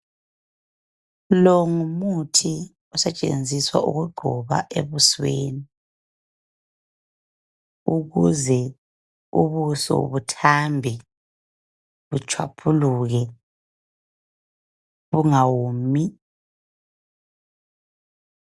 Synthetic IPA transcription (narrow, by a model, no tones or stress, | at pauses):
lɔŋumutʰi | ɔsɛt͡ʃʼḛnd͡zʱiswa̰ʔṵɣuɡ͡ǃʱɔβa̰ʔeβusweːni | uɣuzɛ | uβusɔ̰βutʰambʱɛ | βut͡ʃʰwa̰pʰuluɣɛ | βuŋawumi